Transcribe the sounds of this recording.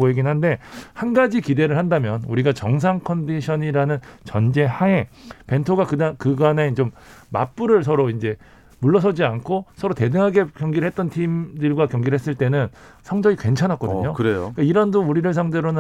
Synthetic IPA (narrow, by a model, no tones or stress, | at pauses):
oeɡinɦande̞hanɡad͡ʑikide̞ɾɯɭhandamjʌnuɾiɡat͡ɕʌŋs̬ʰaŋkʰʌndiɕʰʌɲiɾanɯnt͡ɕʌnd͡ʑe̞hae̞pe̞ntʰoɡakɯdakɯɡane̞t͡ɕomːa̰p͈uɾɯɭs̬ʰʌɾoind͡ʑe̞ | muɭːʌs̬ʰʌd͡ʑiankʰosʰʌɾote̞dɯŋɦaɡe̞kjʌŋɡiɾɭɦet̚t͈ʌntʰimdɯɭɡwakjʌŋɡiɾɭɦe̞s͈ɯɭt͈e̞nɯn | sʰʌŋd͡ʑʌikwe̞nt͡ɕʰanɦak͈ʌdɯɲɲokɯɾeik͈aiɾʌndouɾiɾɯɭs̬ʰaŋdeɾonɯ